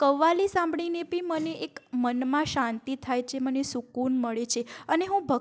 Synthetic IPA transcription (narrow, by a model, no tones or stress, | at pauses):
kəʋːalisãmbɽinepĩməneʔekmənmãʃãnt̪it̪ʰajt͡ʃʰemənesukunməɭet͡ʃʰeəneɦũbʱə